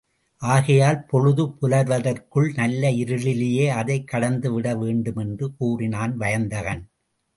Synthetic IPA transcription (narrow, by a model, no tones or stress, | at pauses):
ʔaːɣɐjaːlpɔɻɯðɯpʊlɐɾʋɐðɐrkɯɭnɐlːɐɪɾɯlɪlɪjeːɐðɐɪkːɐɽɐnd̪ɯʋɪɽɐʋeːɳɖɯmɛndrɯkuːrɪnaːnʋɐjɐnd̪ɐɣɐn